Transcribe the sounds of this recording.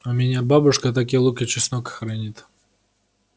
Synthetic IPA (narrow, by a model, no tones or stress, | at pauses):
ʊmʲɪnʲababʊʂkət̪ak̬ʲilˠukʲɪt͡ɕɪsnokə̥xɾɐnʲit̪